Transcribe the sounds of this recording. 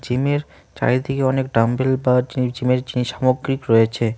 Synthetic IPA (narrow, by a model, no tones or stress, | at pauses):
d͡ʑimeɾ | t͡ɕa̰jt̪ʰekeɔnekɖambelbad͡ʑinid͡ʑimeɾd͡ʑiniʃamoɡɾikɾojet͡ɕʰe